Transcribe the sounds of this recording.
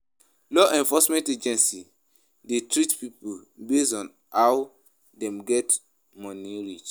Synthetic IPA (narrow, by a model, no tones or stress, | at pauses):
lɔʔɛ̃ɱfɔsmɛ̃nted͡ʒɛ̃nsi | detɹitpipobesɔ̃n | haw | dɛ̃mɡɛt | mɔ̃nĩɹit͡ʃ